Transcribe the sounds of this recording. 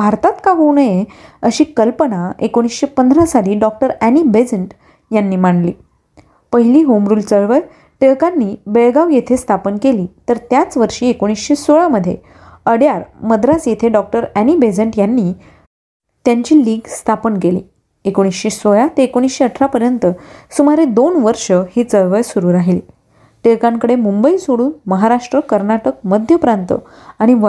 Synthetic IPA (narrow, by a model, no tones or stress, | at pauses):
bʱaɾt̪at̪kaɦownəjeəɕiːkəlpənaekoɽ̃isɕepənd̪ʱɾasaɽiːɖɔk̚ʈəɾænibed͡zəɳʈ | janːiːmaɳlḭː | pəɦiliːɦomɾuːlt͡səɭʋəɾ | ʈəkanːiːbeɭɡaʋjet̪ʰest̪ʰapənkeliːt̪əɾt̪jat͡sʋəɾʂiːekoɽ̃isɕesoɭaməd̪ʱːje | əɽjaɾməd̪ɾasjet̪ʰeɖɔk̚ʈəɾænibed͡zəɳʈjanːiː | t̪jaɲt͡ɕiːliːɡst̪ʰapənkelḭː | ekoɽ̃isɕesoɭat̪eekoɽ̃isɕeəʈʰɾapəɾjənt̪əsumaɾed̪onʋəɾʂəhiːt͡səɭʋəjsuɾuːɾaɦilḭː | ʈekãŋkəɽemumbəisoɽuːnməɦaɾaʂʈɾəkəɾnaʈək̚məd̪ʱjəpɾant̪ə̰ | aɽ̃iʋə